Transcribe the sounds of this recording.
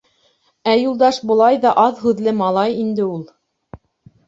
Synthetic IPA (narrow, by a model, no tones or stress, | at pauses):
æjulˠd̪ɑʃbŏlˠɑjðɑʔɑðhʉðlɘmɑlˠɑjind̪ɘulˠ